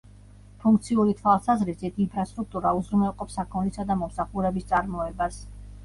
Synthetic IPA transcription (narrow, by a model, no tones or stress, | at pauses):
pʰuŋk̚ʰt̪sʰiuɾit̪ʰwalˠsazɾisit̪ʰinpʰɾast̪ʼɾuk̚t̪ʼuɾauzɾumɛlˠqʼɔpsakʰɔnlisad̪amɔmsaχuɾɛbist̪sʼaɾmɔɛbas